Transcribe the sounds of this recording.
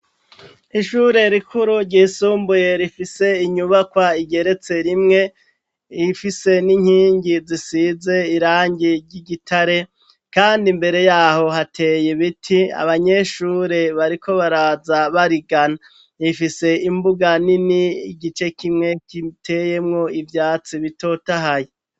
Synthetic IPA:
iʃuːɾe̞ɾikʰuɾuɾɟiːsuːmbuje̞ɾifise̞iɲuβakwaiɟe̞ɾe̞t͡se̞ɾimŋe̞ | ifise̞niɲhiːɲɟizisize̞iɾaːɲɟiɾɟiɟitʰaɾe̞ | kaːndimbe̞ɾe̞jaːho̞ɦatʰe̞ːjeβitʰia̰βaɲe̞ʃuːɾe̞βaɾikʰo̞βaɾazaβaɾiɡana | ifise̞imbuɡaniniɡit͡ʃe̞kimŋe̞kitʰe̞je̞mŋo̞ivjaːt͡siβito̞taɦaje

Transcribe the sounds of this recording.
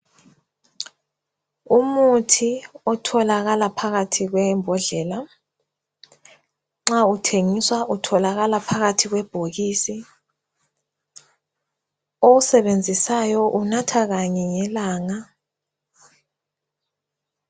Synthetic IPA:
umutʰiɔtʰɔlaɣalapʰaɣatʰiɣwɛmbʱɔɮɛla | ŋ͡ǁautʰeŋiswaʔutʰɔlaɣalapʰaɣatʰiɣwɛb̥ʱoɣiːsi | oɣusɛβend͡zʱisajɔʔunatʰaɣaɲɛŋɛlaːŋa

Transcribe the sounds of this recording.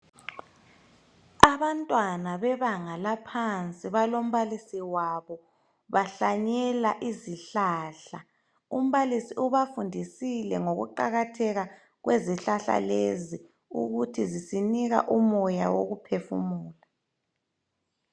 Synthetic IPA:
aβantʼwanaβɛβaŋalapʰant͡sʼiβalom̩βalisiwaβɔ | βaɬaɲɛlaʔiziɬaːɬa | um̩βalisiuβafundʱisilɛ̰ŋoɣṵǃaɣatʰɛɣa | ɣweziɬaɬa̰lezi | ṵɣutʰizisiniɣa̰ʔumɔja̰wo̰ɣupʰefṵmuːla

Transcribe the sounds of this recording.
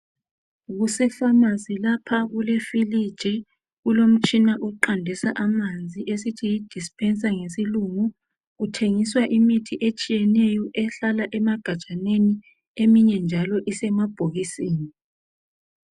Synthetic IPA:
ɣusɛfamazilapʰaɣulefilid̥ʒ̥ʱi | ɣulom̩t͡ʃʼinaʔuǃandʱɛsa̰ʔamand͡zʱiʔesitʰijid̥ʱispʰʼɛnsʼaŋesiluŋu | ɣutʰeŋiswaʔimitʰiʔet͡ʃʼijɛnɛjɔʔɛɬalaʔɛmaɡ̥ʱadt͡ʃʼaneni | emiɲɛnd͡ʒʱalɔʔisɛmab̥ʱoɣisiːni

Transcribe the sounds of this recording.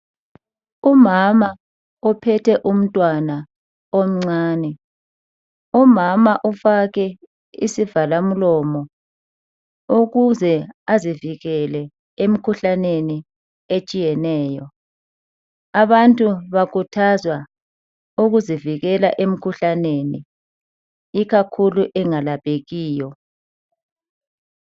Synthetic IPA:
umama | ɔpʰɛtʰɛʔum̩tʼwana | om̩ŋ͡ǀaːnɛ | umamaʔufaɣɛ | isivalam̩lɔmɔ | uɣuzɛaziviɣɛlɛ | em̩kʰuɬaneni | et͡ʃʼijɛnɛːjɔ | aβantʼuβakʰutʰazwa | uɣuziviɣɛlaʔem̩kʰuɬaneːni | iɣakʰuluʔɛŋalapʼeɣiːjɔ

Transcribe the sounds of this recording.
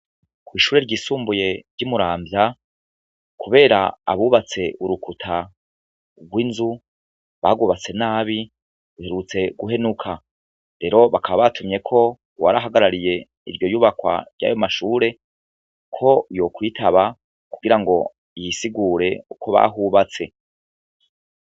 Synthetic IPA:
kwiːʃuːɾe̞ɾɟiːsuːmbuje̞ɾɟumuɾaːmbja | kuβe̞ːɾa̰ːβuβat͡se̞uɾukutʰa | ɡwinzu | βa̰ɡuβat͡se̞naːβi | βihe̞ɾut͡se̞ɡuɦe̞nukʰa | ɾe̞ɾo̞βakʰaβaβatʰumɲe̞kʰo̞ | wa̰ɾaɦaɡaɾaɾije̞ | iɾɟo̞juːβakwa̰ɾɟa̰ːjo̞maʃuːɾe̞ | kʰo̞jokwitʰaβa | kuɡiɾaŋɡo̞ | jisiɡuːɾe̞ukʰo̞βa̰ɦuːβat͡se̞

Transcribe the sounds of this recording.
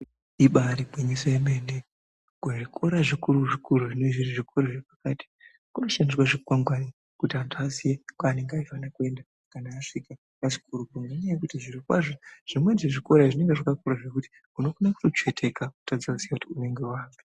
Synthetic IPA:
iɓaɾibwiɲisaemeːne | kuʐiko̞ɾaʐikuɾuʐikuɾuʐineʐiriʐikoɾaʐepakaːti̥ | kuno̞ʃandirwaʐekuwaŋɡwani | kutiantʰuazijekane̞ŋɡaiwanakue̞nda | kanaːfika | aʐikuɾukuŋɡaɲaakutiʐirikwa̰ʐoʐ̥imwe̞nʐeʐiko̞ɾaʐine̞ŋɡeʐakakuɾaʐekuti̥ | kuno̞konaku̥tot͡ʃwe̞tʰe̞kaku̥tad͡zausiautiune̞ŋɡe̞waːŋi

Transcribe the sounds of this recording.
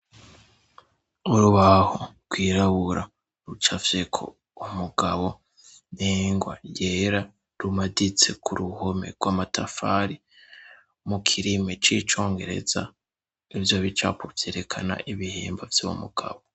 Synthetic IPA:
uɾuβahoɾɡwiːɾaβuɾa | ɾut͡ʃafsekʰo̞̰ | umuɡaβo̞ | neːŋɡwajeɾa | ɾumadit͡se̞kʰuɾuhome̞̰ɡ̥waːmatʰafaːɾi | mukʰiɾimet͡ʃit͡ʃo̞ːŋɡe̞ɾe̞̰za | ivjoβit͡ʃa̰pʰovje̞ːɾe̞kʰana̰ʔiβihḛːmbavjaβo̰mṵɡ̥a̰βo

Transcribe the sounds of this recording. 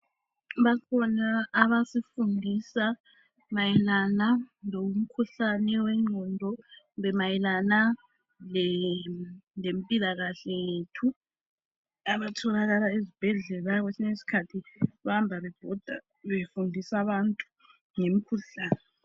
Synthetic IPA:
βakʰɔnaːβasifundʱisa | majɛlanaloum̩kʰuɬanɛwɛŋ͡ǀʱɔndʱɔ | βɛmajɛlana | lɛ | lempʼilaɣaɬɛjetʰu | aβatʰɔlaɣalaezib̥ʱɛɮɛlaɣwesinesi̥kʰatʰiβambʱaβɛb̥ʱɔd̥ʱa | βefundʱisaβantʼu̥ | ŋem̩kʰuɬaːnɛ

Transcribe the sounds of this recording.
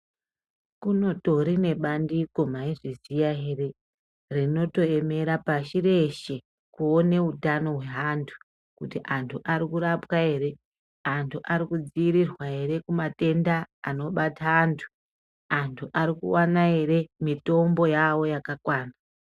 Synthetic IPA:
kuno̞to̞ɾine̞ɓandiko̞maiʐizijaɦe̞ɾe̞ | rino̞to̞e̞me̞ɾapaʃiɾe̞ʃe̞ | kuone̞utano̞ɦwe̞ɦantʰu̥ | kutiʔantʰuʔaɾikuɾapwae̞ɾe̞ | antʰuʔaɾikud͡ziiɾirwae̞ɾe̞kumate̞ndaːno̞ɓataantʰu̥ | antʰuʔaɾikṵwanae̞ɾe̞mito̞mbo̞jawo̞jakakwaːna

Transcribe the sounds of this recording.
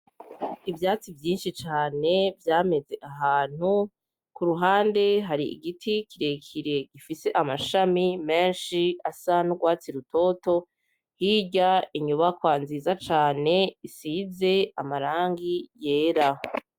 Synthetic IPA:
ivjaːt͡sivjiːnʃit͡ʃaːne̞vjaːme̞ze̞ʔaɦaːn̥hu | kuɾuɦaːnde̞ɦaɾiḭɡitʰikiɾe̞kʰiɾe̞ɡifise̞ʔamaʃamime̞ːnʃiasanuɡwaːt͡siɾutʰo̞to̞ | hiːɟaiɲuβakwaːnzizat͡ʃaːne̞isiːze̞amaɾaːŋɡijeːɾaho

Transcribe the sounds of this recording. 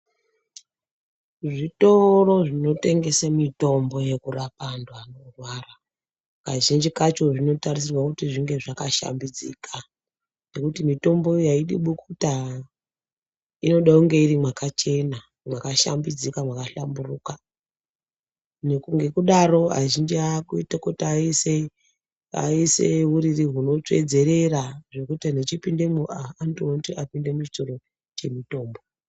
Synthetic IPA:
ʐito̞ro̞ʐino̞te̞ŋɡe̞samito̞mbo̞je̞kurapandwano̞rwara | kaʒind͡ʒikat͡ʃo̞ʐino̞taris̬irwakutiʐiŋɡe̞ʐakaʃa̰mbid͡zḭkʰa | ne̞kutimito̞mbo̞jaiɗḭɓukuta | ino̞ɗakuŋɡe̞irimwakat͡ʃe̞na | mwakaʃa̰mbid͡zikamwakaɬamburuka | nekuŋɡe̞kuɗaɾo̞a̰ʒind͡ʒiakuitakotːise | a̰isḛɦuɾiriɦuno̞t͡ʂwḛd͡ze̞ɾeraʐe̞kutinet͡ʃipinde̞muaantuontiapinde̞mut͡ʃi̥t͡ʃoɾo̞ | t͡ʃe̞mito̞ːmbo

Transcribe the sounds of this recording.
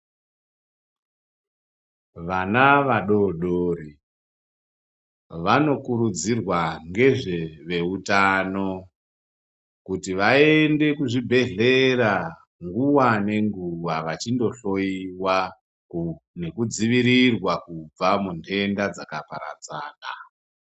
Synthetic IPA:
ʋanaʋaɗo̞ɗoːri | ʋano̞kuɾud͡zirwaŋɡe̞ʐe̞ʋe̞utano̞ | kutiʋae̞nde̞kuʐibʱe̞ɮe̞ɾa | ŋɡuwane̞ŋɡuwaʋat͡ʃindo̞ɬo̞iwa | ne̞kud͡ziʋiɾirwakub͡vamuntʰe̞ndad͡zakapa̰ɾa̰t͡sa̰ːka̰

